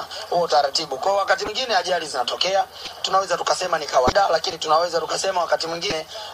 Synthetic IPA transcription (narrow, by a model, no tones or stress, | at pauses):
huɔtaɾatiɓukwaɔwakatimwiŋɡinɛaʄalizinatɔkɛa | tunawɛzatukasɛmanikawaɗalakinitunawɛzatukasɛmawakatimwiŋɡinɛ